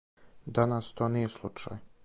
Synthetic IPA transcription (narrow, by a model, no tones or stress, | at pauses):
d̪anast̪o̞ːnijeslˠut͡ʃa̰j